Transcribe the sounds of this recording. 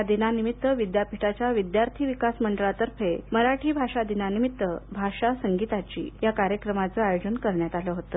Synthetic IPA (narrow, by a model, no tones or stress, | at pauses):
d̪inanimit̪ːəʋid̪japiʈat͡ɕjaʋid̪jaɾt̪ʰiʋikasməɳɖəɭat̪əɾpʰeməɾaʈʰiːbʱaʂad̪inanimit̪ːəbʱaʂasəŋɡit̪at͡ɕḭːjakaɾjəkɾəmat͡səajod͡ʑənkəɾɳjat̪aləɦot̪ə